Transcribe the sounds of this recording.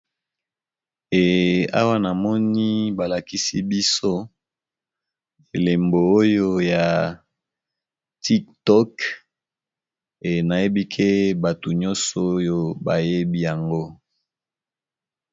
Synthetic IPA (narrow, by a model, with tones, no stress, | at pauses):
e˨a̰˦wa˦na˨mɔ˦ni˦ba˨la˨ki˦si˦bi˦so˦ | e˨le˨mboː˨˦jo˦ja˨ | tʰi˦ktɔ˦k | e˨na˨je˦bi˦kʰe˦ba˨to˨ɲɔ˦nsɔ˨o˦jo˦ba˨je˦bi˦ja˨ŋɡo˦